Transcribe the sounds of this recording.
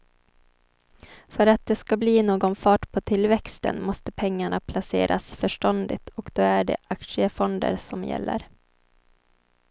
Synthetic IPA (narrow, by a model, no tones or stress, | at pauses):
fœɾat̪̚d̪ɛskabliːnoːɡɔnfɑːʈpʰɔt̪ʰɪlːvɛkst̪ə̰nmɔst̪əpʰɛŋːaɳapʰlasḛːɾʔa̰sfœʂʈɔnd̪ɪ̰t̪ɔkd̪̥oːæɖɛ̰ʔakʂɪəfɔnd̪ə̰ɾsɔmjɛ̰lːə̰ɾ